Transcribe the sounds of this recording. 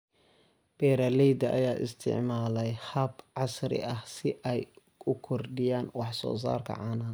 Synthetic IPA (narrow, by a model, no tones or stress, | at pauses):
b̥ɛːɾɐlɛjd̪ɐʔɐ̰jaːʔɪ̰st̪ʰɪ̰ʕmaːlɛjhɐbʕɑsɾɪ̰ʔɐhsɪʔɛj | ʊkʰɔrɖɪjaːnwɑħsɔ̰ːs̬a̰ːrkʰɐ̰ʕɑːnaː